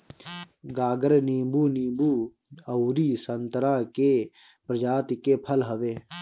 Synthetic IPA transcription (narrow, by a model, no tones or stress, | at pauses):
ɡaːɡəɾniːmbuːniːmbuː | əwɾiːsənt̪ɾake | pɾəd͡ʒaːt̪kepʰəlɦəʋeː